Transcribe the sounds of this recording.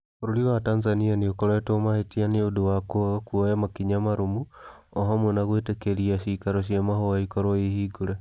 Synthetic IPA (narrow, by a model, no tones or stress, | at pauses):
oɾoɾiwataːnzanianeokoɾetomahetianeodowakokuojamakiɲamaɾomu | oɦamonaɣweːtekeɾiaʃikaɾoʃ̬jamahowaikoɾoihiɡuɾe